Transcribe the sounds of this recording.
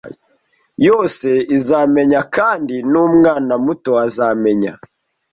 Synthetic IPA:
jo̞ːse̞izaːme̞ɲakaːndinumŋaːnamuto̞azaːme̞ɲa̰

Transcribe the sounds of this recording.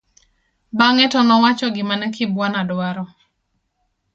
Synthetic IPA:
baŋɛtɔnɔwat͡ʃɔɡɪmanɛkɪbwanadwaɾɔ

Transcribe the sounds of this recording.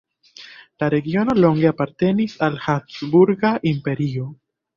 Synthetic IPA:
laɾe̞ɡio̞no̞lo̞ŋɡe̞apaɾte̞nisalhasbuɾɡaʔimpe̞ɾio̞

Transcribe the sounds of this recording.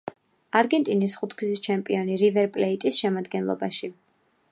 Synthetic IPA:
aɾɡɛnt̪ʼinisχut̪ʰkʰzist͡ʃʰɛmpʼiɔniɾivɛɾpʼlɛit̪ʼisʃɛmad̪ɡɛnlˠɔ̰baʃi

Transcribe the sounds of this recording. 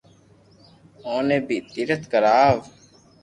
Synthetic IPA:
oːneːbiːt̪iɾət̪kəɾaːʋ

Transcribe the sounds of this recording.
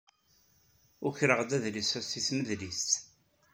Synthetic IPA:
ʊçɾəʁd̪æðlisæsiθməðlist̪

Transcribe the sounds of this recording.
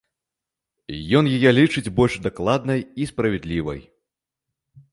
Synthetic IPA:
jɔnjajɛlʲit͡ʂɨd͡zʲbɔlʲʂd̪aklˠad̪nɐjispɾɐvʲɛd̪lʲivɐ̰j

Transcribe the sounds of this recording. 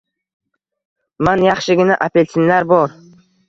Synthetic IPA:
manjɑχʃɪɡʲɪnaʔapelʲt̪ʰinlaɾbɒɾ

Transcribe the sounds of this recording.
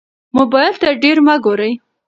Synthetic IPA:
mʊbɑjɪlt̪aɖeɾmaɡoɾəj

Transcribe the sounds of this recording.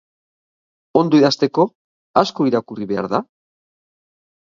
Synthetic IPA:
o̞nd̪oiðast̪e̞ko̞ | asko̞iɾakuriβe̞a̰ɾða

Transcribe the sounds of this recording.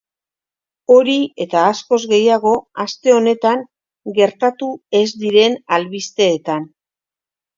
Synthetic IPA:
o̞ɾie̞t̪aːsko̞zɣe̞jaɣ̞o̞ast̪e̞o̞ne̞t̪aŋ | ɡe̞ɾt̪at̪ue̞zd̪iɾe̞nalβist̪e̞ːt̪an

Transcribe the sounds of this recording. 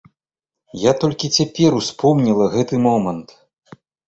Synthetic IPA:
jat̪ɔlʲkʲit͡sʲapʲɛɾuspɔmnʲilˠɐɣɛt̪ɨmɔmɐnt̪

